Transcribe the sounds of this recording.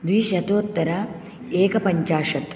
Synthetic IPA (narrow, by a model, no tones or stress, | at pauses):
d̪ʋiːʃɐt̪oːt̪ːɐɾɐ | eːkɐpɐɲt͡ʃaːʂɐt̪